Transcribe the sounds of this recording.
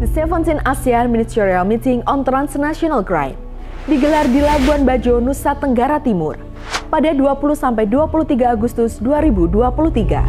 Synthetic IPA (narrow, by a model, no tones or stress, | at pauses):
dəsɛfənsinasianministɛɾialmit̪ɪŋɔnt̪ɾansnasiɔnalkɾa̰jm̚ | diɡəlardilabuanbad͡ʒonusat̪əŋɡaɾat̪imʊr | padaduapuluhsampajduapulut̪iɡaːɡust̪ʊsduaɾibuduapulut̪iɡa̰